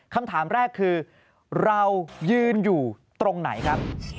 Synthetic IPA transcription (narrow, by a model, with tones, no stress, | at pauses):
kʰa˧mt̪ʰaː˩˦mɾɛː˥˩kʰːɯː˧ | ɾa˧wjɯː˧njuː˨˩t̪ɾo˧ŋna̰˩˦jkʰɾa˦˥p̚